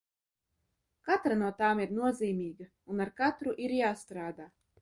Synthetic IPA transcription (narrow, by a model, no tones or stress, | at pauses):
kat̪ɾanuɔt̪aːmiɾnuɔziːmʲiːɡɐ | unaɾkat̪ɾuʔiɾjaːst̪ɾaːd̪aː